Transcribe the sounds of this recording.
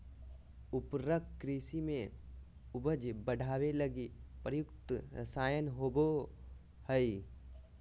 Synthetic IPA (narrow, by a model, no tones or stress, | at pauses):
ʊpɾəkːɾiːsimẽ | ʊbəd͡ʒbəɽʱaːwelɐɡipɾəjʊkt̪ɾə̰saːjənɦoːbo | həi